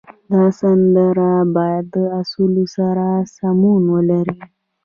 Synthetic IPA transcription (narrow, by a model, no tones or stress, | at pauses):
d̪ɑsand̪əɾabɑjad̪ːəasulusaɾasamunwəlaɾi